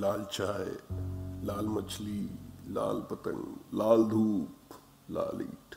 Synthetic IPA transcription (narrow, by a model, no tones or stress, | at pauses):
laːlt͡ʃʰaːe | laːlmət͡ʃʰlila̰ːlpət̪ə̰̃ŋɡlaːld̪ʱuːp | la̰ːlḭːʈʰ